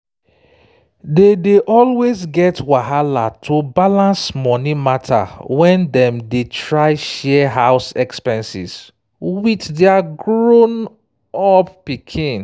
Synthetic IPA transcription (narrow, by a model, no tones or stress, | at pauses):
dedeʔɔlwezɡɛtwaɦala̰tʰobalãnsmɔnimatʰa̰wɛ̃ndɛ̃mdetɹaɪʃɛɦaʊsɛkspɛ̃nsḭs | witdɛaɡɹon | ɔppikʰĩn